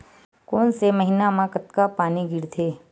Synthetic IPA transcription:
konseməɦinamãkət̪kapaniɡiɾt̪ʰe

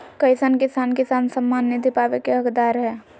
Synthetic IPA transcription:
kɐɪsankɪsaːnkɪsaːnsəmːaːnːɪd̪ʱipaːʋekeɦəkd̪aːɾɦɛː

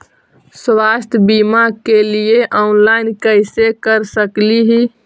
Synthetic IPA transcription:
swast̪ʰjbimakelieʔɔnlaɪnkəɪsekəɾsəkliɦi

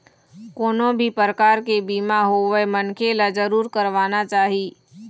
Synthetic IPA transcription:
koːnõbʱipəɾəkaːɾkebiːmaɦoʋemənkʰelad͡ʒəɾuːɾkəɾʋaːnat͡ʃaːɦiː

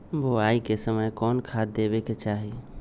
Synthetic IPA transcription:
boaikesəməjkɔnkʰad̪ːebeket͡ʃaɦi

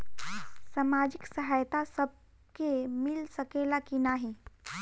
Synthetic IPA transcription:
samaːd͡ʒɪksɐɦaːjt̪asɐb̚ | kemɪlsɐkeːlakinaɦi

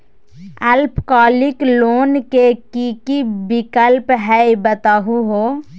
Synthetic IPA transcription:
əlpʰkaːlɪkloːnkekikibɪkəlpɦɛibət̪aɦuɦoː

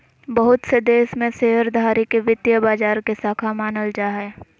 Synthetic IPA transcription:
bəɦʊt̪sed̪eːʃmẽseːɦəɾd̪ʱaːɾikeʋɪt̪jəbaːd͡ʒaːɾkesaːkʰamaːnəld͡ʒaːɦɛː

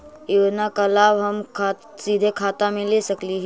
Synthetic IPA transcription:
ɪwnakɐlaːbɦɐmkʰa | siːd̪ʱekʰaːt̪amẽleːsɐkliɦɛ

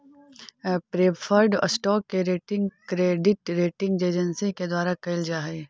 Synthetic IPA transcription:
pɾeːpʰəɾɖə̰sʈɔːkːeɾeːʈɪ̃ŋɡkɾeːɖɪʈɾeːʈɪ̃ŋɡd͡ʒeːd͡ʒənsiked̪waːɾakɐɪld͡ʒaːɦe

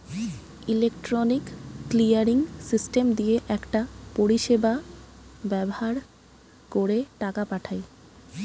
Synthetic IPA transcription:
ilekʈɾonikːlijaɾiŋsisʈemd̪ijeʔɛkʈapoɾiʃeba | bɛbohaɾ | koɾeʈakapaʈʰaj

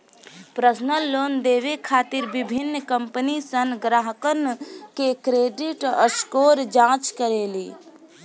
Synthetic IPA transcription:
pɾəsnəlːoːnd̪eːʋekʰaːt̪iɾbibʱinːkəmpənisənɡɾaːɦəkənkekɾeːɖiʈəskoːɾd͡ʒãːt͡ʃkəɾeːliː

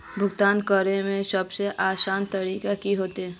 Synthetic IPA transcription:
bʱʊɡt̪aːnkəɾemẽsəbseʔaːsaːnt̪ɐɾiːkakiɦoːt̪iɦɛː

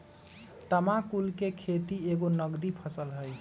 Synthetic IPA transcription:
t̪əmãkulkekʰet̪ieɡonəɡd̪ipʰəsəlɦəj

